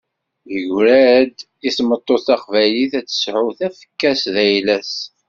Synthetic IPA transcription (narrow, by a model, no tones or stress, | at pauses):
jəʝɾæd̪ | iθmət̪ˤːoθɑqvæjliθæt͡sːə̥sʕʊθæfə̥kːæsðæjlæs